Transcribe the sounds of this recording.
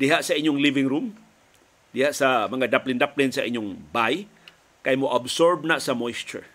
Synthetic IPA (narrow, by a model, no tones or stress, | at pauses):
d̪ɪɦaʔsɐʔiɲːʊŋlivɪŋɾum | d̪ɪhaʔsamɐŋad̪aplɪnd̪aplɪnsaʔiɲoŋbaj | kajmoʔabsoɹb̚nasɐmojst͡ʃɛ̰ɹ